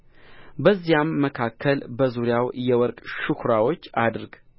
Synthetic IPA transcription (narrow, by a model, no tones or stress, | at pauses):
bəzːijamːəkʰakʰːəlbəzuɾjawjɛwɔɾkʼʃukʰɾawo̞t͡ʃːad̪ɾɡ